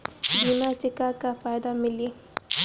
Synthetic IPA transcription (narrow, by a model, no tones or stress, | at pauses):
binat͡ʃɪkakafaːjd̪amɪli